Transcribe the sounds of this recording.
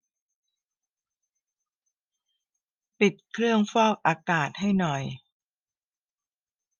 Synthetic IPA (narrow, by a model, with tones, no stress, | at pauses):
pi˨˩t̪̚kʰɾɯ˥˩əŋfɔː˥˩k̚ʔaː˧kaː˨˩t̪̚ha˥˩jnɔ˨˩j